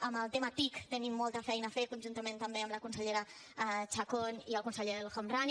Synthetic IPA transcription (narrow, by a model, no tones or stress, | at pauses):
əməlˠt̪emət̪ikt̪ənimːɔlˠt̪əfɛjnəːfekunʲʒunt̪əmẽnt̪əmbeəmləkunsəʎeɾə | t͡ʃakoniəlˠkunsəʎeəlˠxomran